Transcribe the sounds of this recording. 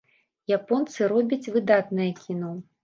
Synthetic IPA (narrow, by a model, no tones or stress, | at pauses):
japɔnt̪sɨɾɔbʲɐt͡sʲvɨd̪at̪nɐjɐkʲinɔ